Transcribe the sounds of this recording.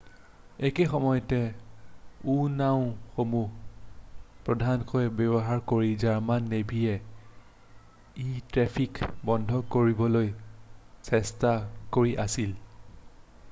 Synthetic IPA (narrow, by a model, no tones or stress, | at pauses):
ekexɔmɔjɔtɛ | unaʊ̃xomu | pɹɔdʱankɔjɛbɔbɔɦaɹkoɹizaɹmanːebʱijɛ | itɹɛpʰikbɔndʱɔkoɹibɔloj | sɛstakoɹiʔasil